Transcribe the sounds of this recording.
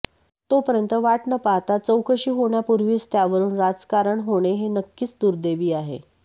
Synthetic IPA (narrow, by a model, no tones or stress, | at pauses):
t̪opəɾjənt̪əʋaʈɳəpaɦt̪at͡səwkəɕiːɦoɳjapuɾʋiːst̪jaʋəɾuːnɾad͡zkaɾəɳɦoɽ̃eɦenəkːiːt͡sd̪uɾd̪eʋiːaɦḛ